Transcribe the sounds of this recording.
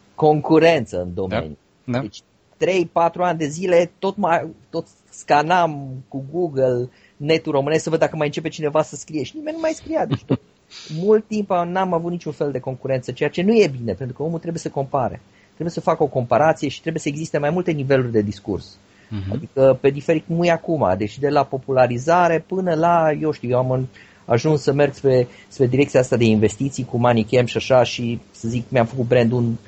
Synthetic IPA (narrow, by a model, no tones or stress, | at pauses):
ko̞ŋkuɾe̞nt̪sə̰ɨ̰nd̪o̞mḛnju | d̪et͡ʃʲ | t̪ɾe̞jpat̪ɾuanʲd̪e̞zile̞t̪o̞t̪majt̪o̞t̪ | skanamkuɡuɡəl | ne̞t̪uro̞mɨnesksəvəd̪akəmajɨnt͡ʃe̞p̬e̞t͡ʃine̞vasəskɾije̞ʃinime̞nnumajskɾijad̪e̞t͡ʃʲt̪ot̪ | mult̪ːimpanamavut̪nit͡ʃunfe̞ld̪e̞ko̞ŋkuɾe̞nt̪sət͡ʃe̞jat͡ʃe̞nuje̞bine̞pent̪ɾukəo̞mut̪ɾe̞bujesəko̞mpaɾḛ | t̪ɾe̞buje̞səfakəo̞ko̞mpaɾat̪sije̞ʃi̥t̪ɾe̞buje̞səeɡzist̪e̞majmult̪e̞nive̞lurʲd̪e̞d̪iskṵrs | a̰d̪ikəpe̞d̪ife̞ɾit̪mujakuma̰d̪e̞t͡ʃd̪e̞lapo̞pulaɾizaɾe̞pɨnəlaje̞wʃt̪iujeam | aʒunsːəme̞rɡspɾe̞ | spɾe̞d̪iɾek̚t̪sijaast̪ad̪e̞inve̞st̪it̪sijkumanikemʃiaʃaʃisəzikmjamfəkut̪̚bɾend̪un